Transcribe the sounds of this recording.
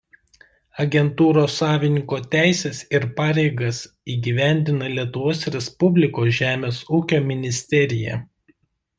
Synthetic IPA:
ɐɡʲɛnt̪uːɾoːsːɑːʋʲɪnʲɪŋkoːt̪ʲæˑɪsʲeːsɪɾpɑːɾʲɛɪɡɐs | iːɡʲiʋʲæˑnʲd̪ʲɪnɐlʲiɛt̪ʊʋoːsɾʲɛspʊbʲlʲɪkoːsʒʲæːmʲeːsuːkʲoːmʲɪnʲɪsʲt̪ʲɛɾʲɪjɛ̰

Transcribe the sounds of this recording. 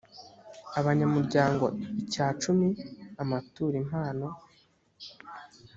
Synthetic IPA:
aβaɲamuɾɟaːŋɡo̞̰icaːt͡ʃumiamatuːɾim̥haːno̞

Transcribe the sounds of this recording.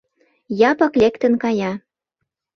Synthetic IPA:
jɑpɤ̆klekt̪ə̆nkɑjɑ

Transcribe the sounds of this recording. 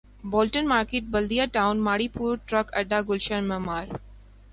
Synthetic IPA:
bɔːlʈənmaːɾkeːʈ̚bɐld̪ijaʈãʊnmaːɽiːpuːɾʈɾɐkɐɖːaːɡʊlʃənmɛmaːɾ

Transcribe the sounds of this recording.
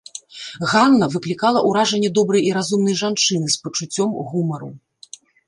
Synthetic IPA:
ɣanːɐvɨklʲikalˠɐʔuɾaʐɐnʲːɛd̪ɔbɾɐjiɾazumnɐjʐant͡ʂɨnɨspɐt͡ʂut͡sʲːɔmɣumɐɾṵ

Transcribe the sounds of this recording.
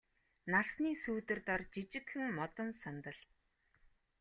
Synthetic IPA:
narsniːsuːt̪ɘ̆rt̪ɔrt͡ɕit͡ɕɪ̆kxɘ̆ŋmɔt̪ɞ̆nsant̪ə̆ɮ

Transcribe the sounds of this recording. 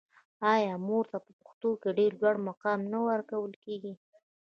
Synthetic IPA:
ɑjɑmoɾt̪apəpə̥xt̪okeɖeɾlwaɽmaqɑmnawəɾkawəlkeɡi

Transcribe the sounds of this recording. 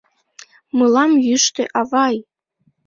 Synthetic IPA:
mɯlɑmjyʃt̪eʔɑvɑj

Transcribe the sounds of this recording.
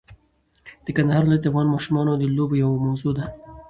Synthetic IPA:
d̪̥əkand̪əɦɑɾlat̪afɣɑnmɑʃumɑnad̪əlobojawamawzod̪a

